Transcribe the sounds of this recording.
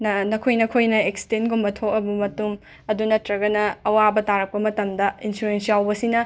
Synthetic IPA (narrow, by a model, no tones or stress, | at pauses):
nɐnɐkʰojnɐkʰojnɐeksi̥tenɡumbɐtʰokɐbɐmɐtum | ɐdunɐtɾɐɡɐnɐːwabɐtaɾɐk̚pɐmɐtɐmdɐinsuɾensjawbɐsinɐ